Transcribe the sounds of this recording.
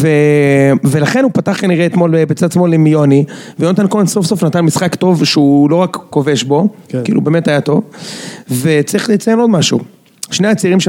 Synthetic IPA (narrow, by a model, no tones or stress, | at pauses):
ve | ve̞laχe̞nupataχkaniʁeːt̪mo̞lebet͡sadsmo̞lemijoniveonat̪ankolanso̞fsofnat̪anmisχakt̪o̞vʃeulo̞ʁakːo̞ve̞ʃbo̞kḭːlṵbeːme̞tajat̪o̞v | ve̞t͡saʁiχlet͡sajeno̞dmaʃṵ | ʃne̞at͡siʁimʃe